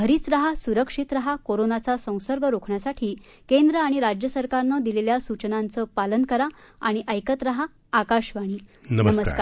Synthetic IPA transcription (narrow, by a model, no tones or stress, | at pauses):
ɦəɾiːt͡sɾəɦasuɾəkʂit̪ɾəɦakoɾonat͡sasə̃w̃səɾɡʱəɾokʰɳjasaʈʰiː | kend̪ɾəaɽ̃iɾad͡ʑjəsəɾkaɾnəːd̪ileljasut͡ɕnant͡səːpalənkəɾaaɽ̃iʔəjkət̪ɾəɦaː | kaɕʋaɽ̃iːnəməməskaɾ